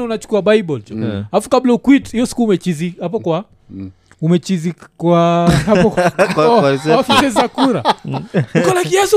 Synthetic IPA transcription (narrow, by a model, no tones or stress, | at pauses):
naunat͡ʃu̥kuaɓaibɔltɔaafu̥kablaukwitiɔsi̥kuːmɛt͡ʃizihap̬ɔkwa | umɛt͡ʃizikwahapɔ | afisɛzakuɾa | ukɔlakiasɔ